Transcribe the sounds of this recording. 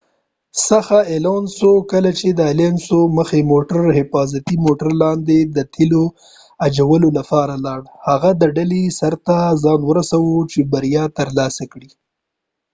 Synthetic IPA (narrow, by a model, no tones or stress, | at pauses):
saxaelɑnsokəlat͡ʃed̪əalensoməxemoʈəɾhɪfɑzat̪imoʈaɾlɑnd̪ed̪ət̪ʰilo | ad͡ʒawəlolapɑɾalɑɽhaɣad̪əɖalesaɾt̪azɑnwəɾasawot͡ʃebaɾjɑt̪əɾlɑsakɽi